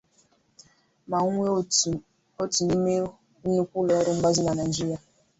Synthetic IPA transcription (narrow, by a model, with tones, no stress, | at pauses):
ma˨ŋʷe˦ | o˦tu˨ni˦me˦ | nu˦kʷʊ˦lɔ˨˦ɾʊ˦ŋ͡m̩˦ɡ͡ba˦zʊ˦na˨na˨d͡ʒi˦ɾi˦a˨